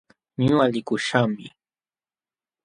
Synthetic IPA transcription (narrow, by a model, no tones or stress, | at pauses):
ɲʊalɪkʊʃamɪ